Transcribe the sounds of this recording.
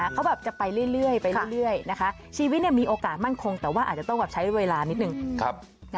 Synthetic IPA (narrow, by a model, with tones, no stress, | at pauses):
kʰa˦˥wbɛː˨˩p̚t͡ɕa˨˩pa˧jɾɯ˥˩əjɾɯ˥˩əjpa˧jɾɯ˥˧˥jɾɯ˥˩əjna˦˥kʰa˦˥ | t͡ɕʰiː˧wi˦˥t̪̚ni˥˩miː˧ʔoː˧kaː˨˩t̪̚ma˥˩nkʰo˧ŋt̪ɛː˨˩waː˥˩ʔaː˨˩t̚t͡ɕa˨˩t̪ɔ˥˩bɛ˨˩t͡ɕʰa˦˥jweː˧laː˧ni˦˥t̪̚nɯ˨˩ŋʰa˦˧˥p̚